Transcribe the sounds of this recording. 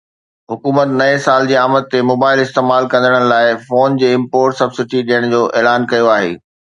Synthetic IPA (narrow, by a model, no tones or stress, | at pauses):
ɦʊkuːmət̪nɐesaːld͡ʑiːaːmət̪̚ːemoːbaːɪlɪst̪eːmaːlkɐ̃nd̪əɽ̃ənlaːɪfoːnd͡ʑeːɪ̃mpoːɾʈsɐbsɪʈiɗijəɽ̃d͡ʑoːʔeːlaːnkɐjoaːɦḛː